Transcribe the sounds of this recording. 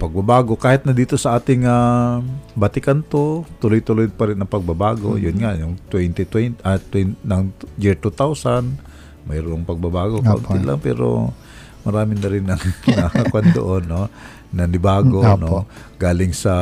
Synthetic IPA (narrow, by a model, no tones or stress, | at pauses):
pɐɡ̚babaːɡokaːhɪt̪̚nɐd̪iːt̪o̞sɐʔaːt̪ɪŋa | bɐt̪ɪkant̪ot̪ʊlojt̪ʊlojd̪̚pɐɾɪnɐŋpɐɡ̚babaːɡo̰jʊnŋaʔjʊŋt̪wɛnt̪ɪt̪wɛnʔat̪wɛnnɐŋjɪɹt̪ut̪awsan | mɐjɾʊʔoŋpɐɡ̚babaːɡoka̰ʔʊ̰nt̪ɪla̰ŋpɛ̰ːɾo̰ | mɐɾaːmɪnɐɾɪnɐŋnɐhakwand̪o̰ʔonːo | nɐnɪbaːɡonoɡaːlɪŋsɐ